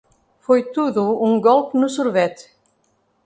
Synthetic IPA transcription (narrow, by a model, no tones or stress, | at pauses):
fɔjt̪ʰuðuuŋɡɔlpnusuɾvɛt̪